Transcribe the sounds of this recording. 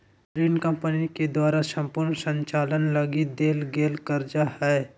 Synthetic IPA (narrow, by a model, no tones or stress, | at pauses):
pɾiːnkə̃mpəniked̪waːɾasə̃mpʊɾnsə̃ɲt͡ʃaːlənləɡid̪eːlɡeːlkəɾd͡ʒahɛː